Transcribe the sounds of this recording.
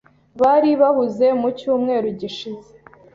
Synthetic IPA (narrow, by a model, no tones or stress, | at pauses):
βaɾiβahuze̞mucuːmŋe̞ːɾuɟiʃize̥